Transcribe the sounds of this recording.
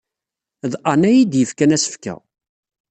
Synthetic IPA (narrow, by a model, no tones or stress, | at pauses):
ðqanæjid̪jəfkænæsə̥fkæ̰